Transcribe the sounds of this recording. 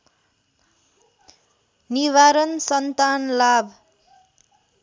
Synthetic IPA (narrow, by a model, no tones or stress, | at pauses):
niwaɾʌnsʌnt̪anlabʱ